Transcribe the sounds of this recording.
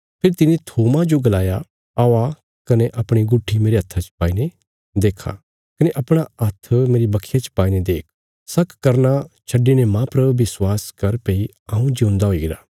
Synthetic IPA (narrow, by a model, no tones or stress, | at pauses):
pʰɪɾt̪ɪnẽt̪ʰoːmad͡ʒoɡɐlaːja | aːʋa | kɐneʔɐpɽ̃iɡʊʈʰːimeːɾeɦɐt̪ʰːat͡ʃpaːine | d̪eːkʰa̰ | kɐneʔɐpɽ̃aɐt̪ʰːmeːɾibɐkʰːijat͡ʃpaːined̪eːk̚ʰ | sɐkʰkːɐɾnat͡ʃʰɐɖinemãpɐɾʋɪswaːskɐɾpeːi | aũd͡ʒiũnd̪aɦoːiɡɪɾaː